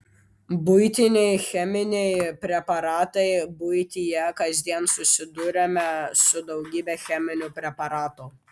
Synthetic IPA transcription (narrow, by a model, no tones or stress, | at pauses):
bʊɪt̪ʲɪnʲɛɪxʲɛmʲɪnʲɛɪpʲɾʲɛpɐɾɑːt̪ɐɪbʊjt̪ʲijɛkɐzʲd̪ʲiɛnsʊsʲɪd̪ʊɾʲɛmʲɛsʊd̪ɒʊɡʲiːbʲɛxʲæmʲɪnʲʊpʲɾʲɛpɐɾɑːt̪ʊ